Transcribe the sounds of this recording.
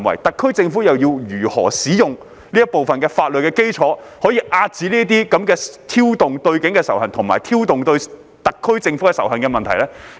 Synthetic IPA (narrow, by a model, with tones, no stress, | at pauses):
wɐ̰˨˩jt̪ɐ˨kʰːɵ˥ɥt͡sɪ˧ŋfuː˨˥jɐ˨wjiː˧wjyː˨˩hɔ̰ː˨˩siː˨˥jʊ˨ŋ | liː˥ɐ˥t̚po˨wfɐ˨nkɛː˧faː˧t̚lɵ˨t̚kɛː˧ke˥jt͡sʰɔː˨˥ | hɔː˨˥jiː˧ʔaː˧t̚t͡si˨˥liː˥ɐ˥t̪̬iː˥kɐ˨˥mkɛː˧t̪ʰiː˥wt̪ʊ˨ŋt̪ɵ˧ɥkɪ˨˥ŋkɛː˧sɐ˨˩whɐ˨nt̪ʰʊ˨˩ŋma̰ː˨˩jt̪ʰiː˥wt̪ʊ˨ŋt̪ɵ˧ɥ | t̪ɐ˨kʰːɵ˥ɥt͡sɪ˧ŋfu˨˥kɛ˧sɐ̰˨˩whɦɐ˨nkɛ˧mɐ˨nt̪ʰɐ˨˩jlɛː˥